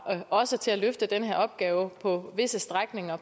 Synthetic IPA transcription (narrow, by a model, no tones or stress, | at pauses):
ɒ̽sət͡sʰe̝læløfd̥əd̥enəɦeɐɒ̽b̥̚ɡ̥ɛːʊəpʰɒ̽ʋe̝səsd̥ʁaɡ̥ne̝ŋɐ